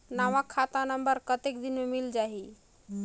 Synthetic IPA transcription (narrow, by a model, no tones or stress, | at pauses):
naʋakʰat̪anəmbəɾkət̪ekd̪inmemild͡ʒaɦi